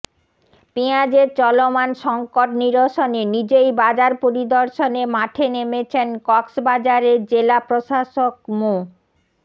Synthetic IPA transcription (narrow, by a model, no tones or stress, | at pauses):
piad͡ʑeɾt͡ɕɔlomanʃɔŋkoʈniɾoʃonenid͡ʑejbad͡ʑaɾpoɾid̪ɔɾʃonemaʈʰenemet͡ɕʰenkɔksbad͡ʑaɾeɾd͡ʑelapɾoʃaʃok̚mu